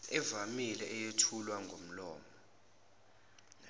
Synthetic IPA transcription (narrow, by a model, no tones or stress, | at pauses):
ɛvamilɛʔɛjetʰulwaŋɡʱom̩lɔːmɔ